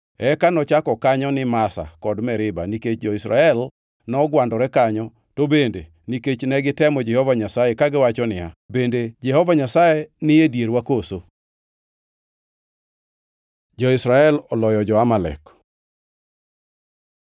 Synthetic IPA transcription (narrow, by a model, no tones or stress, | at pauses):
ɛkanɔt͡ʃakɔkaɲɔnɪmasa̰kɔdmɛɾɪba̰niket͡ʃd͡ʒɔisɾa̰ɛl | nɔɡwandɔɾɛkaɲɔ | tobende | niket͡ʃnɛɡɪtɛmɔd͡ʒɛhɔvaɲasajekaɡɪwat͡ʃɔnɪabended͡ʒɛhɔvaɲasajenɪjedjeɾwakoso | d͡ʒɔɪsɾaɛlɔlɔjɔd͡ʒɔamalɛ̰k